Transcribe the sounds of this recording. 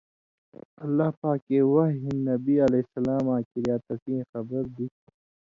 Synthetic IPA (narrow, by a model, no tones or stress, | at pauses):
ɐlːaːhpaːkːeːwɐɦɦinːɐbiɐlesɐlaːmãːkiɾjaːt̪ɐsĩːxɐbəɾd̪ik̚ʰ